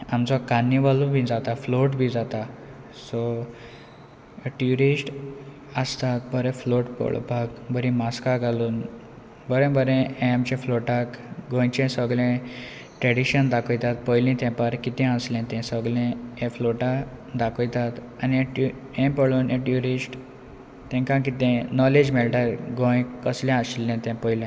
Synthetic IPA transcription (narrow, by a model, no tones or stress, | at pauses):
amt͡sɔkanːiʋalubʱid͡zat̪afloʈbʱĩd͡zat̪a | so | ʈjuɾisʈ | əst̪at̪̚bəɾẽfloʈpə̰ɭ̰bʱaɡbʱəɾĩmaskaɡʱaluːn | bəɾɛ̃bəɾɛ̃ẽamt͡ɕɛ̃floʈakɡõjt͡ɕɛ̃səɡɭɛ̃ | ʈɾeɽiɕənd̪akʰəjt̪at̪̚pəjlĩt̪ɛ̃paɾkit̪ɛ̃əslɛ̃t̪ɛ̃səɡlɛ̃ɛ̃floʈad̪akʰəjt̪at̪ | aniɛ̃ʈu | ɛ̃pəɭuːnẽʈjuɾisʈ | t̪ɛ̃kãk̬it̪ɛ̃nɔled͡ʑmɛlʈaɾɡõjkəsljãəɕlːɛ̃t̪ɛ̃pəjlɛ̃